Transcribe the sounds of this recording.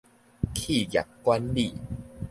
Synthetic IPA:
kʰi˥˩˨ja̰˨˩kkwa˦nli˦˧˩

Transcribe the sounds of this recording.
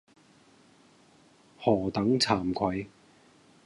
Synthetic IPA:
hɔː˨˩t̪ɐ˨˥ŋt͡sʰaː˨˩mkʰɐ˨˥j

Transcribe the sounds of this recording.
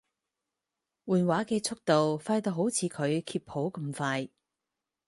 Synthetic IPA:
wuː˨nwaː˨˥keː˧t͡sʰʊ˥k̚t̪o˨wfaː˧jt̪o˨wɦo˨˥wt͡sʰiː˨˧kʰɵ˨˧ɥkʰiː˧p̚ho˨˥wkɐ˧mfaː˧j

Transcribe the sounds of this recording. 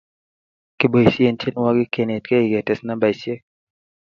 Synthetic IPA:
kɪ˨bo˨jsje˨nte˦n˦wa˦ɡɪ˦ke˨ne˨tke˦i˨ɡɛ˨tɛ˨sna˦ba˨jsje˦

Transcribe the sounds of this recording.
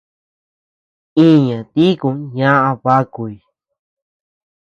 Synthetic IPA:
ĩ˦˨ɲã˨t̪i˦kũ˧˦ɲã˦ʔã˧βa˦ku˨i˨

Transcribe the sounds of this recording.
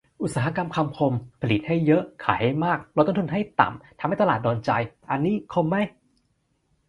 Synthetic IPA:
ʔu˨˩saː˧˩a˦˥˧ka˧mkʰa˧mpʰo˧mpʰa˧li˨˩t̪̚ha˥˩jːɤ˦˥ʔkʰa̰ː˩˦jha˥˩jmaː˥˩k̚ɾt̪ːt̪ʰu˧nɦa˥˩jt̪a̰˨˩mt̪ʰa˧mha˥˩t̪a˧lːt̪̚dɔː˧nt͡ɕa˧jʔa˧nːiː˦˥˩kʰo˧mːa˦˥˩j

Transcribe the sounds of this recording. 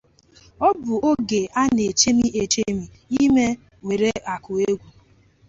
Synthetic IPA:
ɔ˦bʊ˨o˦ɡe˨a˦ne˨t͡ʃe˦mi˦ʔe˨t͡ʃe˦mi˨ | i˦me˦ | we˨ɾe˦ʔa˨kʊ˨e˦ɡʷu˨

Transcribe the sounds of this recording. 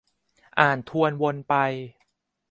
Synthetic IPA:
ʔaː˨˩nt̪ʰu˧ənwo˧npa˧j

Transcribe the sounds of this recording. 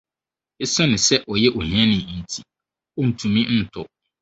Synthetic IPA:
e˦sa˦nʊ̃˨sɛ˦ʔɔ˨jɛ˦ʔɔ˨hã˦nɪ̃˨n̩˨tʰi˨ | ɔ˦n̩˨tʰũ˨mĩ˦n̩˦tʰʊ˦

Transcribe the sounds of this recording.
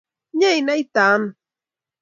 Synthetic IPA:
ɲa˦jna˦jt̪a˨m

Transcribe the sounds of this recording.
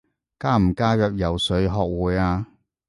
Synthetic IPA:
kaː˥m̩˨˩kaː˥jœː˨k̚jɐ˨˩wsɵ˨˧˥ɥɦɔː˨˧k̚wuː˨˧jaː˧

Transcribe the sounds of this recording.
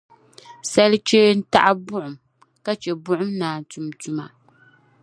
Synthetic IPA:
sa˦lɨ˦t͡ʃeː˦n̩˦ta̰˦ʔa˦bʊ˦ʔʊ˨m | ka˦t͡ʃɛ˨bʊ˦ʔʊ˦mnaː˨n˨tu˨mtu˨ma˨

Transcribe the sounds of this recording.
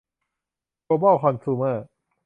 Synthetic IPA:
o˧bɔː˥˩kʰɔ˧nt̪ʰuː˧˩maː˥˩k̚

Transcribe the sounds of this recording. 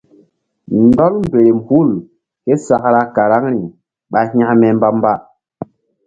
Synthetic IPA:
ndɔ˦lm̩˨be˨ɾe˨m̩˨hu˦˨l | ke˦sa˨kɾa˦ka˨ɾa˦ŋɾi˨ | ɓa˨ha˦ʔmɛ˨m˦ba˦m˦ba˦

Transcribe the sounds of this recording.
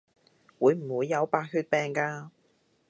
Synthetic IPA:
wuː˨˧jm̩˨˩wuː˨˧jːɐ˨˧wpaː˧t̚ɦyː˧t̚pɛː˨˧ŋkaː˧

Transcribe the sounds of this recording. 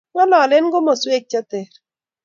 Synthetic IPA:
ŋɔ˦lɔ˨lɪ˦nɡʊ˦mɔ˨swe˦˨k̚t͡ʃa˦tɛ˨ɾ

